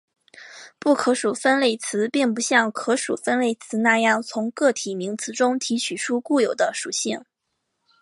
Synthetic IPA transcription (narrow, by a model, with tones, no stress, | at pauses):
pu˥˩kʰɤ˧˥ʂu˨˩fə˥nle˥˩ɪt͡sʰɹ̩˧˥pi˥˩ŋpu˧˥ɕjɑ˥˩ŋkʰɤ˧˥ʂu˨˩fə˥nle˥˩ɪt͡sʰɹ̩˧˥na˥˧jɑ˥˩ŋt͡sʰʊ˧˥ŋkɤ˥˩t̪ʰi˨˩mi˧˥ŋt͡sʰɹ̩˧˥ʈ͡ʂʊ˥ŋt̪ʰi˧˥t͡ɕʰy˨˩ʂʰu˥ku˥˩jo˨˩ʊd̪ə˦ʂu˨˩ɕi˥˩ŋ